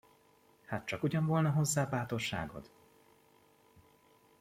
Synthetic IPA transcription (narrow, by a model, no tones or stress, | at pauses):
haːt̪̚t͡ʃɒkuɟɒɱvo̞lnɒɦo̞zːaːbaːt̪orʃa̰ːɡo̞̰d̪